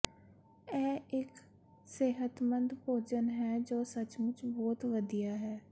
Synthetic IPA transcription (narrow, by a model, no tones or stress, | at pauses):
ɛːɪk | seːɦət̪mənd̪poːd͡ʒənɦɛːd͡ʒoːsət͡ʃmʊt͡ʃbɔːt̪ʋəd̪ijaːɦɛː